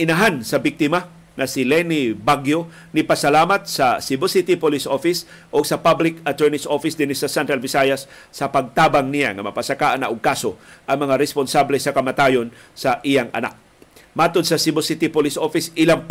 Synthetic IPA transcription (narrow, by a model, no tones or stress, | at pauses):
ʔɪnɐɦansɐbik̚t̪ɪma | nɐsɪlɛnibaɡjo | nɪpɐsɐlaːmɐt̪̚sɐsɪbosit̪ipolisʔofɪs | ʔoɡsɐpablɪkɐt̪ɛɹnɪsʔofɪsd̪ɪnɪsɐsɛnt̪ɾɐlvɪsajɐsː | ɐpɐɡ̚t̪aːbaŋnija̰ŋɐ̰mɐ̰pasɐkaʔanɐʔoɡ̚kaːsoʔɐŋmɐŋaɾɛsponsablɛsɐkɐmɐt̪ajon | sɐʔijaŋʔɐ̰na̰k̚ | maːt̪od̪̚sɐsɪbosɪt̪ɪpolisʔofɪsɪlaŋp